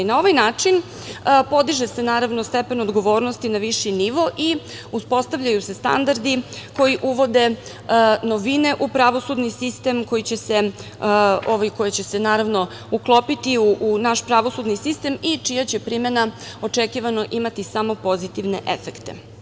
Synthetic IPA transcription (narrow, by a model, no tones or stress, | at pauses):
nao̞ʋajnaːt͡ʂin | po̞d̪iʒese̞naːɾaʋnost̪epe̞no̞d̪ɡo̞ʋo̞ːɾnost̪inaʋiʃiniʋo̞ʔi | uspo̞st̪aʋʎajuse̞st̪a̰nd̪aɾd̪iko̞jiʔuʋo̞d̪e̞ | noʋine̞ʔupɾaʋo̞sud̪nisist̪e̞mko̞jit͡ɕe̞se̞ | oʋajko̞jat͡ɕe̞se̞naːɾaʋno̞ | uklˠo̞pit̪iuʔunaʃpɾaʋo̞sud̪nisist̪e̞mit͡ʃijat͡ɕe̞pɾimenao̞t͡ʂekiʋano̞ʔimat̪isamo̞po̞zit̪iʋne̞̰ʔefekt̪e̞̰